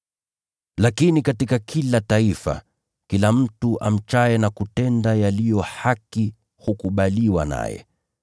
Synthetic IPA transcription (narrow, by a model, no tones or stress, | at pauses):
lakinikatikakʰilataifa̰ | kilam̩tuʔa̰m̩t͡ʃaɛnakutɛndajalijɔhaki | hukuɓaliwa̰na̰jɛ̰